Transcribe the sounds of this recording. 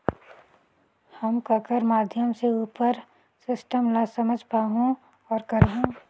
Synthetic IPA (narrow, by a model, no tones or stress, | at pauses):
həmkakəɾmaːd̪ʱjəmseuːpəɾ | sɪsʈəmlasəməd͡ʒʱpaːɦõ | ɔːɾkəɾɦõ